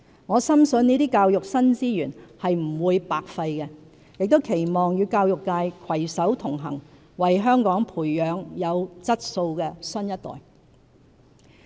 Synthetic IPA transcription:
ŋɔː˨˧sɐ˥msɵ˧niː˥t̪iː˥kaː˧wjʊ˨k̚sɐ˥nt͡siː˥jyː˨˩nhɐ˨jm̩˨˩wuː˨˧jpaː˨k̚fɐ˧jkɛ˧ | jɪ˨k̚t̪o˥wkʰe˨˩jmɔː˨ŋjyː˨˧kaː˧wjʊ˨kːaː˧jkʰwɐ˨˩jsɐ˨˥wt̪ʰʊ˨˩ŋɦɐ̰˨˩ŋ | wɐ˨jɦœː˥ŋkɔː˨˥ŋpʰuː˨˩jːœː˨˧ŋjɐ˨˧wt͡sɐ˥t̚so˧wkɛː˧sɵ˥njɐ˥t̚t̪ɔ̰ː˨˩j

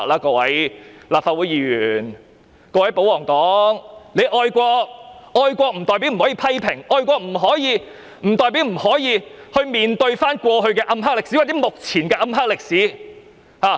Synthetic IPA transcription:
k̚laː˥kɔː˧wɐ˨˥jlaː˨p̚faː˧wuː˨˥jiː˨˩jyː˨˩n | kɔː˧wɐ˨˥jpo˨˥wlɔː˨˩ŋt̪ɔː˨˥ŋŋne˨˧jʔɔː˧jkʷɔː˧k̚ɔː˧jkʷɔː˧k̚m̩˨˩t̪ɔː˨jp̬i˨˥m̩˨˩hɔː˨˥jiː˧pʰɐ˥jpʰɪ˨˩ŋʔɔː˧jkʷɔː˧k̚m̩˨˩ɦɔː˨˥jiː˨˧ | m̩˨˩t̪ɔː˨jpi˨˥wm̩˨˩hɔː˨˥jiː˨˧ | hɵ˧ɥmiː˨nt̪ɵ˧ɥfaː˥nkʷɔː˧ɦɵ˧ɥkɛː˧ʔɐ˥mɦaː˥k̚lɪ˨k̚siː˨˦˥wa˨t͡sɛ˨˦˥mʊ˨k̚t͡sʰiː˨˩nkɛː˧ʔɐ˧˥mɦaː˥k̚lɪ˨k̚siː˨˥ | haː˨

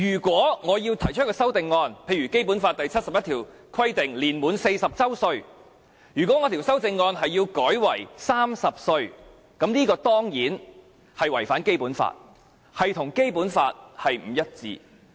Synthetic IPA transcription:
jyː˨˩kwɔː˨˥ŋɔː˨˧jiː˧wt̪ʰɐ˨˩jt͡ʃʰɵ˥kɔː˧sɐ˥wt̪ɪ˨˧ŋːɔː˧npʰe˧jɥy˨˩ke˥jpuː˨˥nfaː˧t̚t̪ɐ˨jt͡sʰɐ˥t̚sɐ˨p̚jɐ˥t̪ʰiː˨˩w | kʰɐ˥jt̪ɪ˨ŋliː˨˩nmuː˨˥nse˧jsɐ˨p̚t͡sɐ˥wsɵ˧ɥ | jyː˨˩kʷwɔː˨˥ŋɔː˨˧t̪ʰiː˨˩wsɐ˥wt͡sɪ˧ŋːɔː˧nɦɐ˨jːiː˧wkɔː˨˥jwɐ̰˨˩jsaː˥msɐ˨p̚sɵ˧ɥ | kɐ˨˥mniː˥kɔː˧t̪ɔː˥ŋjiː˨˥n | hɐ˨jwɐ˨˩jfaː˨˥nke˥jpuː˨˥nfa̰ː˧t̚ | hɐ˨jt̪ʰʊ˨˩ŋke˥jpuː˨˥nfa̰ː˧t̚hɐ˨jm̩˨˩jɐ˥t̚t͡sḭː˧

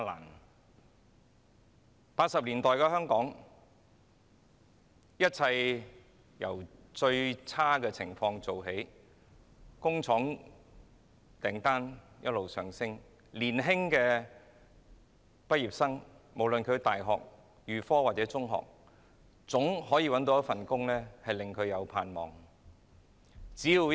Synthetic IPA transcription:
la̰ː˨˩n | paː˧t̚sɐ˨p̚liː˨˩nt̪ɔː˨jkɛː˧hœː˥ŋkɔː˨˥ŋ | jɐ˥t̚t͡sʰɐ˧j | jɐ̰˨˩wt͡ʃɵ˧ɥt͡sʰaː˥kɛː˧t͡sʰɪ˨˩ŋfɔː˧ŋt͡so˨wɦe˨˥j | kʊ˥ŋt͡sʰɔː˨˥ŋ | t̪ɛː˨˩ŋt̪aː˥n | jɐ˥t̚lo˨wsœː˨ŋsɪ˥ŋ | liː˨˩nɦɪ˥ŋkɛː˧ | pɐ˥t̚jiː˨˩p̚sɐ˥ŋmo˨˩wlɵ˨nkʰɵ˨˧ɥt̪aː˨jɦɔ̰ː˨k̚ | jyː˨˩fɔː˥waː˨t̚t͡sɛː˨˥t͡sʊ˥ŋɦɔ̰ː˨k̚ | t͡sʊ˨˥ŋɦɔː˨˥jiː˧wɐ˨˥nt̪o˨˧wjɐ˥tfɐ˨nkʊ˥ŋlɛː˥hɐ˨jlɪ˨˩ŋkʰɵ˨˧ɥjɐ˨˧wpʰaː˨nmɔː˨˩ŋ | t͡siː˨˥ji˧

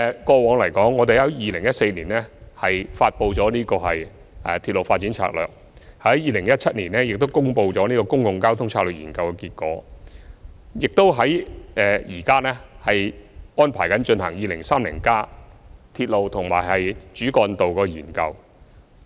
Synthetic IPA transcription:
kɔː˧wɔː˨˧ŋlɐ˨˩jkɔː˨˥ŋːɔː˨˧e˨jɐ˨˥wjiː˨˧lɪ˨˩ŋjɐ˥t̚se˧jniː˨˩nɛː˥hɐ˨jfaː˧t̚po˧wt͡sɔː˨˥niː˥kɔː˧ɦɐ˨j | ɛ˨t̪ʰiː˧t̚lo˨wfaː˧t̚t͡siː˨˥nt͡sʰa̰ː˧k̚lœ̰ː˨k̚ | hɐ˨˥jjiː˨˧lɪ˨˩ŋjɐ˥t̚t͡sʰɐ˥t̚niː˨˩nɛː˥jɪ˨k̚t̪o˥wkʊ˥ŋpo˧wt͡sɔː˨˥niː˥kɔː˧kʊ˥ŋjʊ˨ŋkaː˥wt̪ʰʊ˥ŋt͡sʰaː˧kləː˨t̚jiː˨˩nkɐ˧wkɛ˧kiː˧t̚kɔ̰ː˨˥ | jɪ˨k̚t̪o˥wɦɐ˨˥jʔɛː˨˧jiː˨˩kaː˥nɛː˥hɐ˨jɔː˥npʰaː˨˩jkɐ˨˥nt͡ʃɵ˧nhɐ˨˩ŋjiː˨˧lɪ˨˩ŋsaː˥mlḭ˨˩ŋkaː˥t̪ʰiː˧t̚lo˨wt̪ʰʊ˨˩ŋmaː˨˩jhɐ˨jt͡ʃyː˨˥kɔː˧nt̪o˨wkɔː˧jiː˨˩nkɐ˧w

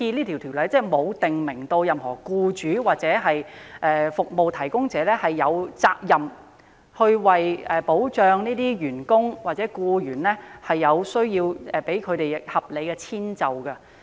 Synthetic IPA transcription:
iː˧liː˥t̪ʰi˨˩wt̪ʰi˨˩wlɐ˨˥jt͡sɛː˥mo˨˧wt̪ɪ˨ŋmɪ˨˩ŋt̪o˧wjɐ˨mhɔː˨˩kuː˧t͡ʃyː˨˥waː˨k̚t͡sɛː˨˥ɦɐ˨jʔɛː˨fʊ˨k̚mo˨wt̪ʰɐ˨˩jkʊ˥ŋt͡sɛː˨˥lɛː˥hɐ˨jːɐ˨˧wt͡saː˧k̚jɐ˨m | hɵ˧ɥwɐ˨˩jɛː˨po˨˥wt͡ʃœː˨ŋniː˥t̪iː˥jyː˨˩nkʊ˥ŋwaː˨k̚t͡sɛː˨˥kuː˧jyː˨˩nlɛː˥hɐ˨jːɐ˨˧wsɵ˥ɥjiː˧wɛː˨pe˨˥jkʰɵ˨˧t̪e˨jhɐ˨p̚le˨˧jkɛ˧t͡sʰiː˥nt͡sɐ˨wkɐ˧

